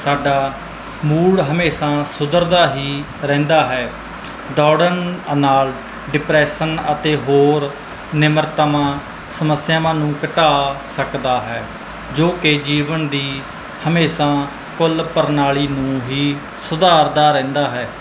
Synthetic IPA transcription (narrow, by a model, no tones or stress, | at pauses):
saːɖaː | muːɽɦəmeːsãːsʊd̪əɾd̪aːɦiː | ɾɛ̃ːnd̪aːɦɛː | d̪ɔːɽənnaːl | ɖɪpɾɛːʃənət̪eːɦoːɾ | nɪməɾt̪əmãː | səməsjãːmãːnũːkəʈaːsəkd̪aːɦɛː | d͡ʒoːked͡ʒiːʋənd̪iː | həmeːsãː | kʊlpəɾnaːɭiːnũːɦiː | sʊd̪aːɾd̪aːɾɛ̃ːnd̪aːɦɛː